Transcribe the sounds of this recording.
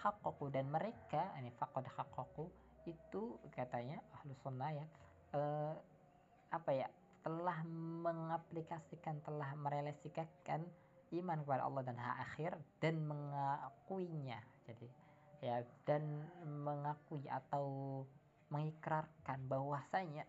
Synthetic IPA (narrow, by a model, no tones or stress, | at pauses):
xaqːɔkudanməɾekanifaqɔdxaqːɔku | it̪ukat̪aɲaahlusunːahja | ə | apaja | t̪əlahməŋaplikasikant̪əlahməɾelasikakan | imankəpada̰ʔɔ̰lːɑhdanɦa̰ʔaxɪrd̥anməŋakuiɲad͡ʒadi | jadanməŋakuiʔa̰t̪aw | məŋikɾarkanbahwasaɲa